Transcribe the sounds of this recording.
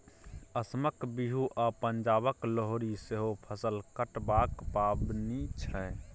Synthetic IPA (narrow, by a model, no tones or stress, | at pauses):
əsməkbiɦuʔapənd͡ʒabəkləɦoɾiseɦopʰəsəlkəʈbakpabnit͡ʃʰɛ